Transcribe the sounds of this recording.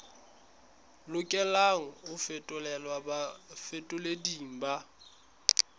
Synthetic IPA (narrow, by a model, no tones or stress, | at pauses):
lʊkʼɛlaŋ̩ʊfɛtʼʊlɛlwabafɛtʼʊlediŋ̩ba